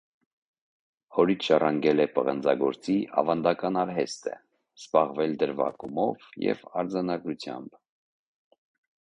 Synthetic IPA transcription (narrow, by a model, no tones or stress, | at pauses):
hɔɾit͡sʰʃɑrɑŋɡɛlɛpəʁənd͡zɑ̰ɡɔɾt͡siʔɑ̰vɑnd̪ɑkɑnɑɾɦɛst̪ə̰ | z̥bɑʁvɛld̪əɾvɑ̰kumɔvjɛ̰vɑɾd͡zɑnɑɡɾut͡sʰjɑ̰mb